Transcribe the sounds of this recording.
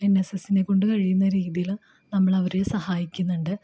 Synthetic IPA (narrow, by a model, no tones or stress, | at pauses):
enːesesine̞kːo̞ɳɖɨkɐɻijunːɐɾiːðijil | nɐmːɐɭɐʋɐɾesɐhaːjikʲːunːuɳɖɨ